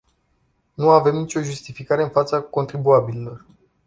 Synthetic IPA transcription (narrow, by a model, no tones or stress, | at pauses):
nuave̞mnit͡ʃʲo̞ʒust̪ifikaɾe̞ɨnfat̪sako̞nt̪ɾibuabililo̞r